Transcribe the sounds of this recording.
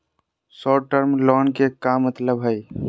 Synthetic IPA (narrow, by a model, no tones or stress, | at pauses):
sɔːʈəɾmlɔːnkekamət̪ləbɦəj